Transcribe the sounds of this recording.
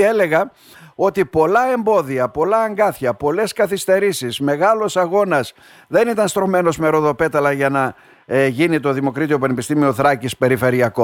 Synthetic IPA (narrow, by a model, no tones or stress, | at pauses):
ele̞ɣɐ | o̞t̪ipo̞lɐe̞mbo̞ðiɐpo̞lɐːŋɡɐθçɐpo̞le̞skɐθist̪e̞ɾisizme̞ɣɐlosɐɣo̞nɐs | ðe̞nit̪ɐnst̪ɾo̞me̞no̞zmeɾo̞ðo̞pe̞t̪ɐlɐʝɐnɐ | ʝinit̪o̞ðimo̞kɾit̪io̞pɐne̞pist̪imio̞θɾɐcispe̞ɾife̞ɾiɐko